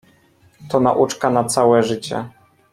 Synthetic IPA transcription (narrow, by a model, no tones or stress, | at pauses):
t̪ɔna̰ʔut͡ʂkanat̪sawɛʐɘt͡ɕɛ̰